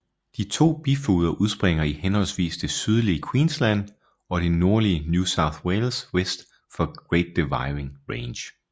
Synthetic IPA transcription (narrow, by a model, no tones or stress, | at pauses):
d̥it͡sʰo̝̰ːb̥ifṵːð̞ˠɐʔuð̞ˠsb̥ʁeŋ̰ɐihenhɒ̽lsʋḭːsd̥e̝syð̞ˠliəkʰwḭːnslæn̰ | ɒ̽ɾ̥e̝no̝ɐliənjusɑ̈ʊθweɪlswesd̥ | fɒ̽ɡ̥ʁeɪd̥ːeʋɑ̈ɪʁe̝ŋʁeɪnɕ